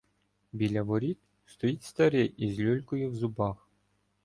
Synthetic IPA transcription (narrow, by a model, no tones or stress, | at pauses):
bʲilʲɐvɔɾʲit̪̚ | st̪ɔitʲst̪ɐɾɛjizʲlʲulʲkʊjuwzubɑx